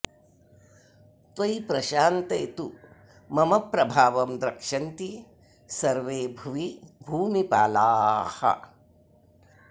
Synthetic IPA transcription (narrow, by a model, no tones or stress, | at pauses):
t̪ʋɐjpɾɐʃaːnt̪ɐjt̪u | mɐmɐpɾɐbʱaːʋɐmd̪ɾɐkʂɐnt̪i | sɐɾʋeːbʱɐʋibʱuːmipa̰ːlaːhɐ̰